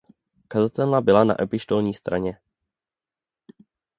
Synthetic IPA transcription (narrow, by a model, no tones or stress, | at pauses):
kazat̪ɛlabɪlana̰ʔɛpɪʃt̪o̞lɲiːst̪ɾʔa̰ɲɛ